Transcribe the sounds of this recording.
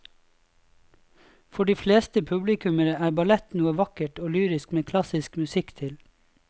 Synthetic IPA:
fɔɖiːfleːst̪əpʰʉblɪkʉməɾəæːbɑlɛt̪nuːəʋɑkəʈoːlyːɾɪskmeːkʰlɑsɪskmʉsɪkt̪ʰɪl

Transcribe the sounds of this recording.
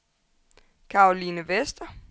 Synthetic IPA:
kʰɑ̈olinəʋesd̥ɐ

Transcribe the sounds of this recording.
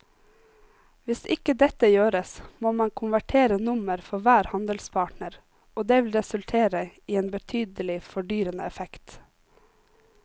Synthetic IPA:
ʋɪsɪkəd̪ɛt̪əjøːɾəsmoːmɑnkʰʊnʋæʈʰeːɾənʊməɾfɔʋæːɾhɑnd̪əlspʰɑːʈɳəɾ | oːd̪eːʋɪlɾɛsʉlt̪ʰeːɾəiːeːnbət̪ʰyːd̪əlɪfɔɖyːɾənə̰ɛfɛkt̪

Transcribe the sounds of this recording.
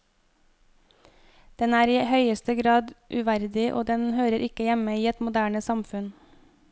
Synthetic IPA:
d̪̥ɛnæːɾiːhœʏəst̪əɡɾɑːd̪ʔʉʋæɾd̪ɪʔo̰ːd̪ɛnhøːɾəɾʔɪkəjæməiːɛt̪mʊd̪æːɳəsɑmfʉn

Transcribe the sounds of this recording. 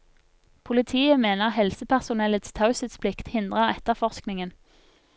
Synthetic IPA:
pʰʊlɪt̪ʰiːəmeːnəʁhɛlsəpʰæʁsʊnɛlət̪st̪ʰaʊsət̪spʰlɪkt̪hɪnd̪ʁəʁɛt̪əʁfɔʁsknɪŋən

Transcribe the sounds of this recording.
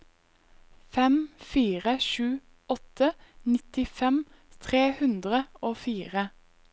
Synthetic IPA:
fɛmfiːʁəʃʉː | ɔt̪ənɪt̪ɪfɛm | t̪ʰʁeːhʉnd̪ʁəoːfiːʁə

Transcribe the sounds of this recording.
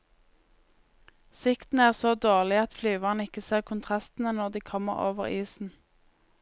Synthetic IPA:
sɪkt̪n̩æːʁsoːd̪oːʁlɪɑt̪flyːʋɑʁnɪkəseːʁkʰʊnt̪ʰʁɑst̪n̩ənɔʁd̪iːkʰɔmə̰ʁo̰ːʋə̰ʁiːsn̩

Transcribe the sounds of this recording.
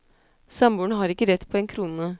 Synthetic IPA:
sɑmbuːɳəɦɑːɾɪkːəɾɛt̪ːpʰɔɛnkʰɾuːnə

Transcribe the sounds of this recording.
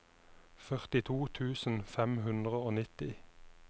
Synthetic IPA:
fœʁt̪ɪt̪ʰuːt̪ʰʉːsn̩fɛmɦʉnd̪ʁəoːnɪt̪ɪ

